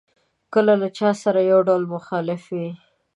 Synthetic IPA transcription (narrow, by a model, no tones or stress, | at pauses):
kəlalat͡ʃɑsaɾajawɖawlmʊxɑlɪfwi